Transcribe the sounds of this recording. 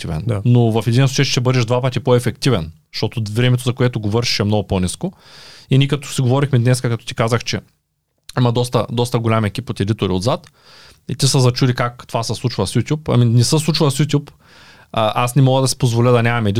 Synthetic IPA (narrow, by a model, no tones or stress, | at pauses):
t̪ivɛ̰nnovɐfɛd̪insˠut͡ʃɛʃt̪ɛbɤd̪ɛʒd̪vapɐt̪ipoɛfɛkt̪ivɛn | ʃt̪ɔt̪ovɾɛmɛt̪ozɐkoɛt̪oɡovɤɾʃi̥ʃɛmnɔɡʊponʲisko | inʲikɐt̪ɔ̥siɡovɔɾixmɛd̪nɛskɐkɐt̪ɔ̥t̪i̥kazəxt͡ʃɛ | imɐd̪ɔst̪əd̪ɔst̪ɐɡolʲamɛk̟ʲipot̪ɛd̪it̪ʊɾiod̪zat̪ | it̪isəzɐt͡ʃud̪ikakt̪ovasəslˠut͡ʃvɐsjut̪ʲjupɐ̰minɛsəslˠut͡ʃvɐlˠsjut̪ʲjup | ʔasnɛmɔɡəd̪ɐsi̥pozvolʲəd̪ɐnʲamɐmɛd̪i